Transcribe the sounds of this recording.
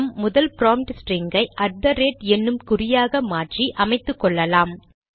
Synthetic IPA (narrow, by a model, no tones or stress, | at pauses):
mːʊðɐlpɪɾaːmʈsʈɾeŋɡɐɪʔɐɖ̚d̪ɐɾeːʈɛnːɯmkʊɾɪjaːɣɐmaːʈriʔɐmɐɪt̪ːɯkːɔɭːɐlaːm